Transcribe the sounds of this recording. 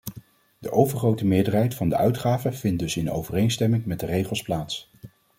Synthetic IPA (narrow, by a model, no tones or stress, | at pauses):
dəʔowvəɹχrowtəmɪːɹdəɹɦɛjtfɑndəʔœɥtχaːvəv̥ɪnt̚dɵsɪno̰wvərejnstɛmɪŋmɛdərejχəlˠsplaːts